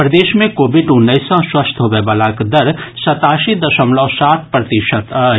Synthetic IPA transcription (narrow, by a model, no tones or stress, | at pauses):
pɾɐd̪eːʃmẽkoːbɪɖʊnːəɪsɔ̃swɐst̪ʰɦobebəlãkd̪ɐɾsɐt̪aːʃid̪ɐʃəmlɔːsaːt̪̚ʰpɾɐt̪ɪʃət̪